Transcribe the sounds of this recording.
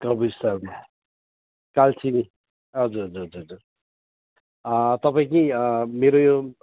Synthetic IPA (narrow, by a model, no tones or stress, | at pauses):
kʌbisaɡi | kalt͡sʰini | ɦʌd͡zuɾɦʌd͡zuɾɦʌd͡zuɾd͡zuɾ | ʌt̪ʌpaĩk̬imeɾojo